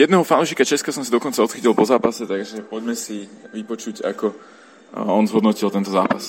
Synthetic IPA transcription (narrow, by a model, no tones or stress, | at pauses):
jɛd̪nɛɦɔfanuːʃiːkat͡ʃɛskasɔmsad̪ɔkɔnt͡saɔt̪xit̪ilpɔzaːpasɛt̪aɡʒɛpɔɟmɛsiʋipɔt͡ʃuca̰kɔ | ɔnzɦɔd̪nɔcilˠt̪ɛnt̪ɔza̰ːpas